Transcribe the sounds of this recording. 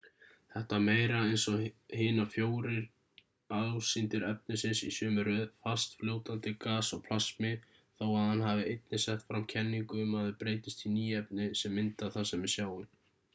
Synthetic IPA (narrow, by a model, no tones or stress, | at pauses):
θɛht̪ameːjɾaɛejnsɔhɪːnafjoːwɾɪɾ | aðsɪnt̪ɪɾœp̚nɪsɪnsḭsʏːmʏɾʏðfast̪fljoːwt̪ant̪ɪkaːsɔɣpʰl̥asmɪ | θowaðhanɦavɪejt̪̚nɪsɛht̪fɾamcʰɛnːiŋkʏmaðɪpɾeːjt̪ɪst̪iniːɛp̚nɪsɛmːɪnt̪aθasɛmɪsjaːwɪ